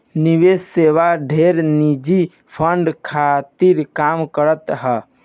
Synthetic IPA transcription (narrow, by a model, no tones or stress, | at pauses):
niʋesseʋaɖʱeɾnid͡ʒi | pʰəɳɖkʰat̪iɾkamkəɾət̪ɦə